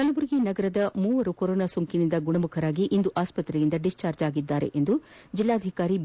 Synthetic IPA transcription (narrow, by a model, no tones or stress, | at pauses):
kɐlɐʋuɾiɡenɐɡɐɾɐd̪ɐmuːʋɐɾukɔɾoːnaːsoŋkinind̪ɐɡuɳɐmukʰɐɾaːɡiʔind̪uʔaːspɐt̪ɾɛjind̪ɐɖist͡ʃaːɾd͡ʒaːɡid̪ːaːɾḛʔend̪ud͡ʒilːaːd̪ʱikaːɾi